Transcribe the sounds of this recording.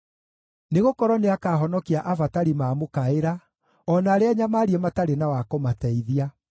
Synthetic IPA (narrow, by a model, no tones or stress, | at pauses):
neɣokɔɾɔneakaːɦɔnɔkiaʔavataɾimaːmokaeɾa | ɔnaːɾeaɲamaːɾiɛmataɾenawakomatɛiðia